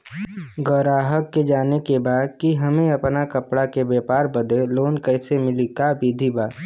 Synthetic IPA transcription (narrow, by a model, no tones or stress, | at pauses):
ɡəɾaːɦəkːed͡ʒaːnekebaːd̪̚kiɦɐmẽɐpnakəpɽakebɛːpaːɾbəd̪eloːnkɛɪsemɪlikaːbid̪ʱibaː